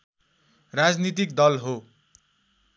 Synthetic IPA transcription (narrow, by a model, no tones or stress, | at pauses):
rad͡znit̪̬ik̚d̪ʌlɦo